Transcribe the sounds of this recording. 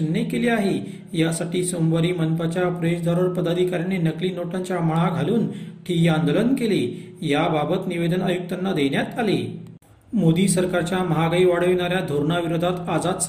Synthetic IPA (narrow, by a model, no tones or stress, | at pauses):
nːekeliaɦe | jasaʈiːsomʋaɾiːmənpat͡ɕjapɾəeɕd̪ʱaɾəɭpəd̪ad̪ʱikaɾjanenəkliːnoʈaɲt͡ɕjaməɭ̃aɡʱaluːnʈʰijand̪olənkele | jababət̪niʋed̪ənajuk̚t̪anːad̪eɳjat̪alḛ | mod̪iːsəɾkaɾt͡ɕjaməɦaɡaiʋaɽ̤əʋiɳ̃aɾjad̪ʱoɾɳaʋiɾod̪ʱat̪ad͡zad̪s